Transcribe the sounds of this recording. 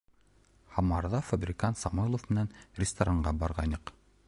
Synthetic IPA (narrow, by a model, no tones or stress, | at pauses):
hɑmɑɾðɑfabrʲɪkant̪sɑmujlˠofmɘ̆nænrʲɪst̪ɐɾaɴɢɑbɑɾʁɑnɤq